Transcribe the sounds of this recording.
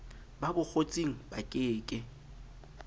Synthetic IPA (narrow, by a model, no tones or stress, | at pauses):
babʊk͡xʰot͡sʼiŋ̩bakʼɪːkʼɪ